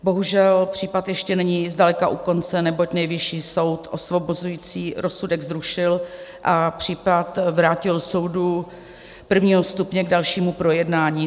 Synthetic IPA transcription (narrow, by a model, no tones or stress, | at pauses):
bo̞ɦuʒɛlpr̝̥iːpat̪jɛʃcɛnɛɲiːzdalɛkaʔuko̞nt͡sɛnɛbo̞cnɛjvɪʃiːso̞wt̪ʔo̞svo̞bozujiːt͡siːɾʔosudɛɡzɾuʃɪlʔapr̝̥iːpat̪vɾaːcɪlso̞wdu | pr̩vɲiːɦost̪upɲɛɡdalʃiːmupɾo̞jɛdnaːɲiː